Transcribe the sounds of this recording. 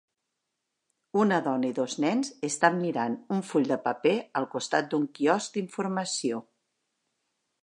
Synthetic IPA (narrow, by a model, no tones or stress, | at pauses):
unəðɔnəiðoznɛnzəst̪amːiɾanuɱfuʎd̪əpəpeəlˠkust̪at̪̚d̪uŋkiɔsk̚d̪iɱfuɾməsio